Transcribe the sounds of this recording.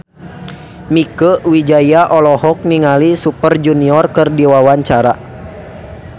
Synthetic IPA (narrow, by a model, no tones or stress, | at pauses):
mikəwid͡ʒajaʔɔlɔɦɔk̚niŋalisupərd͡ʒuniɔrkərdiwawaɲt͡ʃaɾa